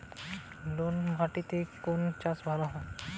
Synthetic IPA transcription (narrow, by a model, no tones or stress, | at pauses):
lonmʱaʈit̪ekont͡ʃãsbʱalaɦɔ̃